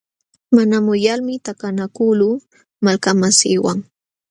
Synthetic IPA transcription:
manamʊjalmɪt̪akanakʊlu | malkamasɪːwaŋ

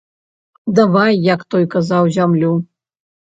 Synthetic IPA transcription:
d̪avajːakt̪ɔjkazawzʲamlʲu

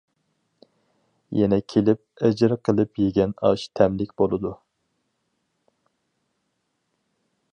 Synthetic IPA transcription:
jɛnɛkʲʰelɪp̚ɛd͡ʒɪɾqʰəlˠɨpjeɡʲɛnɑʃt̪ʰɛmlɪkʲbolˠɨd̪u

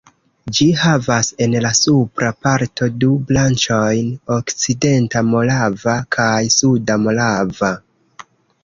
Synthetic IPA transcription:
d͡ʒihavase̞nlasupɾapaɾtʰo̞dublant͡ʃo̞jno̞kt͡side̞ntamo̞lavakʰajsudamo̞lava

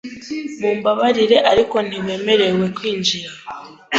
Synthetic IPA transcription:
muːmbaβaɾiɾe̞ʔaɾiko̞n̥iβe̞ːme̞ɾe̞we̞kwiːɲd͡ʒiɾa

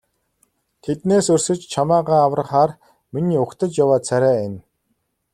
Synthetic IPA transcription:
t̪ʰet̪neːsɵrʲsɘ̆t͡ɕt͡ɕʰamaːʁaːaw̆rə̆χaːr | miniːʊkt̪ə̆t͡ɕjawaːt͡sʰæɾʲæːen

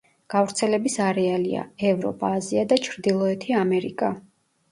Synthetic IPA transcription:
ɡ̥avɾt̪sʰɛlɛbisaɾɛalia̰ɛvɾɔ̰pʼaːziad̪at͡ʃʰɾd̪ilˠɔɛt̪ʰiamɛɾḭkʼa

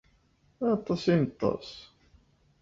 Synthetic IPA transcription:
ɑt̪ˤːɑsinət̪ˤːɑ̰s

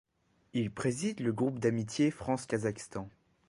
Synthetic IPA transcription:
ilpχezid̪ləɡʁupd̪amit̪jefχɑ̃skʲazakst̪ɑ̃

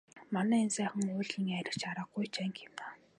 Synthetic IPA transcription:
manæːensæːχə̆ŋʊːɮiːŋæɾʲɪ̆kt͡ɕaɾə̆q̚ːujt͡ɕʰæːŋkʰemna

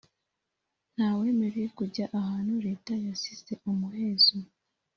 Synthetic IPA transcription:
n̥haːwe̞ːme̞ɾejekuɟaʔahaːn̥huɾe̞ːtajasize̞ʔumuhe̞ːzu

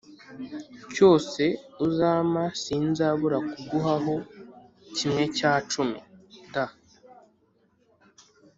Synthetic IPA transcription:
co̞ːse̞uzaːmasiːnzaβuɾakuɡuɦaɦo̞ | cimŋe̞caːt͡ʃumida

